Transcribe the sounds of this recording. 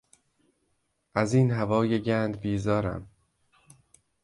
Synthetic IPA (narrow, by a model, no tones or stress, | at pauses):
ʔæziːnɦævɒːjeɟænd̪biːzɒːɾæ̰m